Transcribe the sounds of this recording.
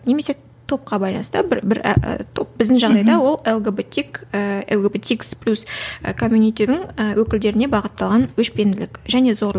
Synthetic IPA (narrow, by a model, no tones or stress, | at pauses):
neme̞se̞ | t̪ʰo̞p̚qɑbɑjlˠɑ̰nəst̪əbɪbɪɾ̰t̪ʰo̞p̚bɪzd̪ɪŋʒɑʁd̪ɑjd̪ɑwo̞lˠelˠɡebet̪ʲikəelɡebet̪iksplʲusəkʰomʲjunijt̪ed̪ɪŋəwʔɵkʲɪld̪e̞ɾɪne̞bɑʁət̪ːɑlˠʁɑnwɵʃbe̞nd̪ɪlɪkʒæne̞zo̞ɾlˠəq